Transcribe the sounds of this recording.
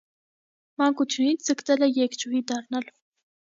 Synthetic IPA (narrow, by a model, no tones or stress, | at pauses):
mɑŋkut͡s̪ʰjunit͡sʰd͡zəkt̪ɛlɛjɛkt͡ʃuid̪ɑrnɑl